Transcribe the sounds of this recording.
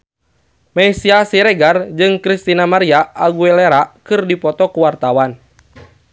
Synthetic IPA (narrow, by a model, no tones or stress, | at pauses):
maisiasiɾɛɡard͡ʒɨŋkɾist̪inamaɾiaʔːɡuɛleɾakɨrdipɔt̪ɔkuwart̪awan